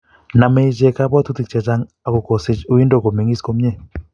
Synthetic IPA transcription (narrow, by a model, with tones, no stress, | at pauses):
na˨me˦d͡ʒɛ˨ka˦ba˦t̪u˦t̪i˨k̚t͡ʃa˨t͡ʃa˦ŋ | a˨ko˨ko˨sɪ˦t͡ʃu˦i˦ndo˦˨ko˨me˨ŋɡi˦sko˦mɲɛ˦˨